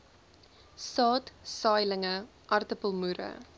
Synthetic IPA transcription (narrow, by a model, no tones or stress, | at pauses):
sɑːtsɑːjləŋə | ʔɐrtəpəlˠmuɾə̰